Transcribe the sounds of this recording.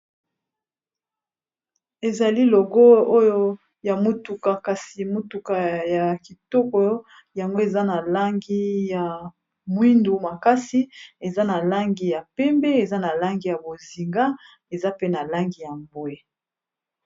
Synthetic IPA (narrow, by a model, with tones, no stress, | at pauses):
e˨za˨li˦lo˨ɡo˦o˦jo˦ | ja˨mo˨tu˨ka˨ka˨si˨mo˦tu˨ka˨ja˨ki˨tɔ˦kɔ˦ | ja˨ŋɡo˦e˨za˦na˨la˦ŋɡi˦ja˨ | mwi˦ndu˨ma˨ka˦si˦e˨za˦na˨la˦ŋɡi˨ja˨pɛ˦mbɛ˦e˨za˦na˨la˦ŋɡi˦ja˨bo˨zi˨ŋɡa˦ | e˨za˦pe˦na˨la˦ŋɡi˨ja˨mbo˨e˦